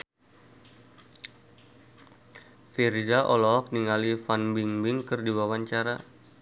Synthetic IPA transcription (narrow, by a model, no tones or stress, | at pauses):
fird͡ʒaʔɔlɔɦɔk̚niŋalifanbiŋbɪŋkɨrdiwawaɲt͡ʃaɾa